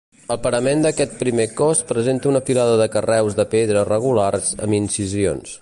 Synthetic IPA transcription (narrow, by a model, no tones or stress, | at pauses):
əlˠpəɾəmend̪əkɛt̪̚pɾimekɔspɾəzent̪əunəfilaðəðəkərɛwzðəpeðɾərəɣ̞ularzə̰minsizio̰ns